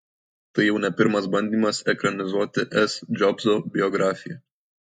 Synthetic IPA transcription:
t̪ɐɪjɛʊnʲɛpʲɪɾmɐsbɐnʲd̪ʲiːmɐsɛkɾɐnʲɪzuɔt̪ʲɪʔɛsd͡ʒʲɔbzoːbʲɪjɔɡɾɑːfʲɪjɛ

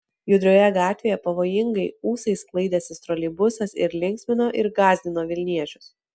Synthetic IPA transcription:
jʊd̪ʲɾʲoːjɛɡɑːt̪ʲʋʲeːjɛpɐʋoːjɪŋɡɐɪuːsɐɪsklˠɐɪd̪ʲɛːsʲɪst̪ɾɔlʲɪbʊsɐsɪ̰ɾlʲɪŋʲksʲmʲɪnoːʔɪɾɡɑːzʲd̪ʲɪnoːʋʲɪlʲnʲiɛt͡ʃʲʊ̥s

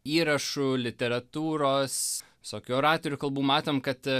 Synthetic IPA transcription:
iːɾɐʃʊlʲɪt̪ʲɛɾɐt̪uːɾoːsʋʲɪsoːkʲʊoːɾɑːt̪oːɾʲʊkɐlˠbuːmɑːt̪oːmkɐt̪

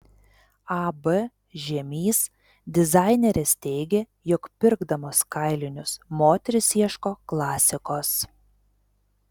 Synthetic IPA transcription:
ɑbɛ | ʒʲɛmʲiːs | d̪ʲɪzɑɪnʲɛɾʲɛst̪ʲɛɪɡʲe | jɔkpʲɪɾɡd̪ɐmoːskɐɪlʲɪnʲʊsmoːt̪ʲɛɾʲʊsʲiɛʃkoːklˠɑːsʲɪkoːs

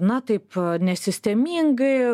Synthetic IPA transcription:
nɐt̪ɐɪpnʲɛsʲɪsʲt̪ʲɛmʲiŋɡɐɪ

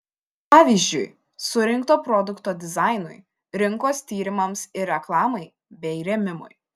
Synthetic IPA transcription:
pɑːʋʲiːzʲd͡ʒʲʊɪ | sʊɾʲɪŋˑkt̪oːpɾɔd̪ʊkt̪oːd̪ʲɪzɑɪnʊj | ɾʲɪŋˑkoːst̪ʲiːɾʲɪmɐmsɪɾʲɛklˠɑːmɐɪ | bʲɛɪɾʲɛmʲɪmʊ̰j

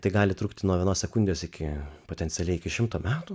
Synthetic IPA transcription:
t̪ɐɪɡɑːlʲɪt̪ɾukt̪ʲɪnuɔʋʲiɛnoːssʲɛkʊnʲd̪ʲjoːsɪkʲɪpoːtʲɛnʲtsʲɛlʲɛɪɪkʲɪʃʲɪmt̪oːmʲæːt̪u

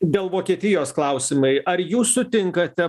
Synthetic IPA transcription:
d̪ʲeːlˠʋoːkʲiɛt̪ʲɪjoːsklˠɐʊsʲɪmɐɪʔɐɾjuːssʊt̪ʲɪŋkɐt̪ʲɛ

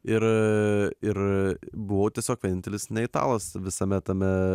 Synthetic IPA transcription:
ɪɾ | ɪɾbʊʋoːt̪ʲiɛsʲoːkʋʲɛnʲɪnt̪ʲɛlʲɪsnʲɛɪt̪ɑ̰ːlˠɐsʋʲɪsɐmʲɛt̪ɐmʲɛ

